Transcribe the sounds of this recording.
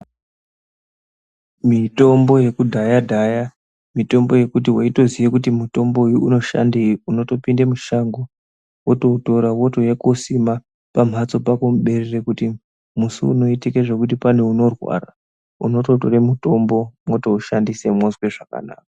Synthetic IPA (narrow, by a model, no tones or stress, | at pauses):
mito̞mbo̞je̞kudʱajadʱaja | mito̞mbo̞je̞kut̬iwaito̞zijekutimuto̞mbojuuno̞ʃa̰ndeuno̞to̞pindemuʃaŋɡo | woto̞uto̞ɾawo̞to̞jekosima | pam̤at͡so̞pakomuɓe̞rerekuti | musṵːno̞itike̞ʐe̞kut̬ipaneuno̞rwa̰ra | uno̞to̞toremuto̞mbo̞mwo̞to̞uʃandise̞mozwe̞ʐaka̰na̰ːkḁ